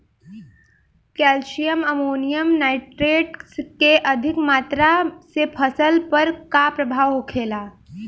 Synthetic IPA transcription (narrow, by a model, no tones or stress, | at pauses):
kɛːlʃijəmɐmoːnijəmnaːɪʈɾeːʈskeʔɐd̪ʱɪkmaːt̪ɾasepʰəsəlpəɾkapɾɐbʱaːʋɦokʰeːlaː